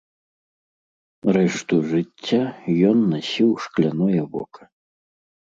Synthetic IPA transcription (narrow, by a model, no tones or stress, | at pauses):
rɛʂt̪uʐɨt͡sʲːajɔnːasʲiwʂklʲanɔjɐbɔ̰kɐ̥